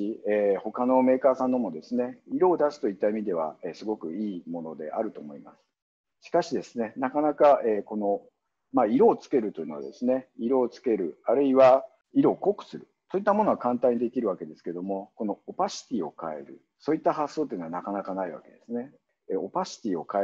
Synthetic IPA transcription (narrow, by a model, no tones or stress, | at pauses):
ieːho̞kano̞me̞ːkaːsãnːo̞mod̪e̞sɨne̞iɾo̞ːd̪asɨ̥t̪oit̪ːaimʲid̪e̞β̞a̰esɨɡo̞kɯ̟iːmo̞no̞d̪e̞̰ʔa̰ɾɯ̟t̪o̞ːmo̞imasɨ̥ | ɕi̥kaɕid̪e̞sɨne̞nakanakaeːko̞no̞ | maiɾo̞ːt͡sɨ̥ke̞ɾɯ̟t̪o̞ji̟noa̰d̪e̞sɨne̞iɾo̞ːt͡sɨ̥ke̞ɾɯ̟aɾɯ̟iβa | iɾo̞ːko̞kɯ̥sɨɾɯ̟so̞it̪ːamo̞no̞ɡakãnt̪ãɲ̟id̪e̞kʲiɾɯ̟βake̞d̪e̞sɨ̥ke̞d̪o̞mo̞ko̞no̞ːpaɕi̥t̪ʲiːo̞kae̞̰ɾɯ̟ | so̞ːit̪ːaɦasːo̞ːt̪ːei̟ːnoanakanakanaiβa̰ke̞d̪e̞sɨne̞ | o̞paɕi̥t̪ʲiːo̞ka